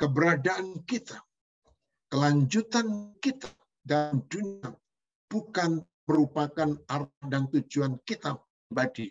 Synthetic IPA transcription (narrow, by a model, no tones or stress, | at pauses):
kəbəɾadaʔankit̪a | kəlaɲd͡ʒut̪ankit̪ḁ | dalmdunia | b̥ukan | məɾupakanardant̪ud͡ʒuankit̪ap̚ɾibadi